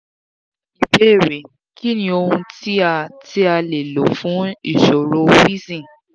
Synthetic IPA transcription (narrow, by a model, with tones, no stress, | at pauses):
i˨be˦˨ɾe˨ | ki˦nĩ˧o˧hũ˧ti˦a˧ti˦a˧le˨lo˨fũ˨˦ḭ˨ʃɔ˨ɾo˨˦wi˦sĩ˦˨